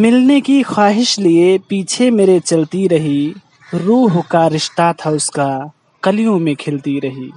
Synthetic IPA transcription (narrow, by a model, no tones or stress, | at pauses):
mɪlnekixaːɦɪʃliepiːt͡ʃʰemeːɾet͡ʃəlt̪iɾəɦi | ɾuːɦkaɾɪʃt̪at̪ʰaʊska | kəlijõmẽkʰeːlt̪iɾəɦiː